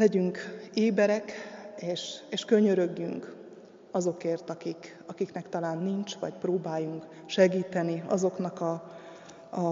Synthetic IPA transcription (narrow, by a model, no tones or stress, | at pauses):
lɛɟyŋkeːbɛɾɛkeːʃeːʃkø̞ɲø̞ɾøɡːy̰ŋk | ɒzo̞keːrt̪ɒkik | ɒkiknɛkt̪ɒlaːnːiɲt͡ʃʋɒ̰cproːbaːjuŋk | ʃɛɡiːt̪ɛniɒ̰zo̞knɒkɒ